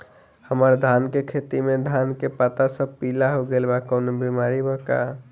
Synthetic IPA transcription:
həməɾd̪ʱankekʰet̪imed̪ʱankepat̪asəbpilaɦoɡelbakənobimaɾibʱəka̰

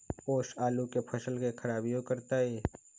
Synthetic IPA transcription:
poːʃaːlukepʰəʃəlkekʰəɾaːbijõkəɾt̪aɦɛː

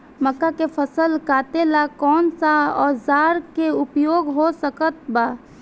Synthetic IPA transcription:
məkːakepʰəsəlkat̪elakɔːnsaɔːɾzaːɾkeʊpjoːɡɦosəkət̪̚ba

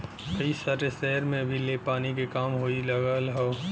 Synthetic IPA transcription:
kəisaʈesɛɦɾmẽbʱilepaːnik̬ekaːmɦoːilɐɡalɦo

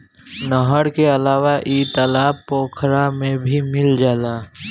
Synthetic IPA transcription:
nəɦəɽkeɐlaːʋaʔiːt̪əlaːpːoːkʰɾamẽbʱimɪld͡ʒaːlaː

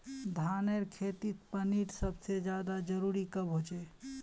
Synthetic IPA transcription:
d̪ʱaːneɾkʰeːt̪it̪̚pəniʈsəbsed͡ʒjaːd̪ad͡ʒəɾuɾikəbɦot͡ʃe

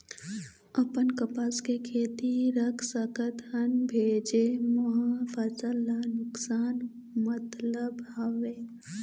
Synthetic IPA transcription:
əpənkəpaːskekʰeːt̪iɾəkʰsəkət̪hənbʱeːd͡ʒemoɦãfasəlːanʊksaːn | mət̪ləbaʋeː

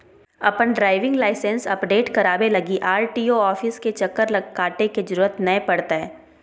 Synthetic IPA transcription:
ɐ̰pənɖɾaːɪʋɪ̃ŋɡlaːɪsɛ̃nsɐpɖeːʈkɐɾaːbelɐɡiʔaːɾʈiːoɔːfɪsket͡ʃɐkːəɾlɐkaːʈeked͡ʒɐɾuːɾət̪nɐẽpɐɽt̪aɦɛː

